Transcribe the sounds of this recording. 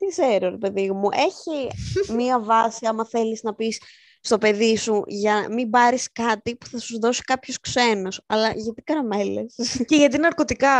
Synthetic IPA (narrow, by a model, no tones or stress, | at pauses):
t̪ikse̞ɾoɾepe̞ðiomuʔe̞çimiɐvɐsiɐmɐθe̞liznɐpisː | t̪o̞pe̞ðisuʝɐnɐmibɐɾiskɐt̪ipu̥θɐsuzðo̞si̥kɐpço̞skse̞nosɐlɐʝɐt̪ikɐɾɐme̞le̞̰sceʝɐt̪̬iinɐɾko̞t̪ikɐ